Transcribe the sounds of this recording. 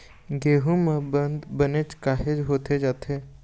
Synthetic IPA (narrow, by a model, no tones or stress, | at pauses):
ɡeːɦumə̃bənd̪bənet͡ʃkaːɦed͡ʒɦoːt̪ed͡ʒaːt̪ʰeː